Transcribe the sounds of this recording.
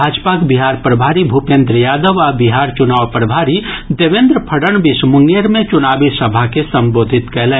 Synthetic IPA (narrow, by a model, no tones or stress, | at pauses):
aːd͡ʒpakbiɦaːɾpɾəbʱaːɾibʱupẽːnd̪ɾəjaːd̪əʋabiɦaːɾt͡ʃʊnaːʋpɾəbʱaːɾid̪eʋẽnd̪ɾəpʰɐɽəɳbɪʃmʊŋɡjəɾmẽt͡ʃʊnaːbisɐbʱakesɐ̃mboːd̪ʱɪt̪kɛɦlẽː